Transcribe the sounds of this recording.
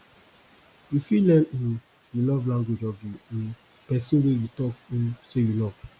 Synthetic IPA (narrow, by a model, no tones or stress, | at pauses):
jufilɛ̃nĩn | julɔvlãŋɡwed͡ʒɔvjiĩn | pɛsĩwejutɔkĩnsejulɔv̥